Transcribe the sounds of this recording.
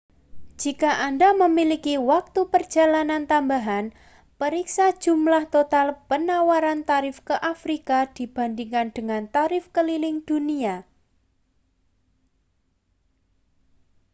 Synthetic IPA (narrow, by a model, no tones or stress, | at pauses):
d͡ʒ̥ikaʔandaməmilikiwak̚t̪upər̥d͡ʒ̥a̤lanant̪ambaɦan | pəɾiksḁd͡ʒ̥ṳmlaht̪ot̪alpənawaɾant̪aɾɪfkəʔafɾikad̥i̤b̥a̤ndiŋkand̥əŋant̪aɾɪfkəlilɪŋd̥unia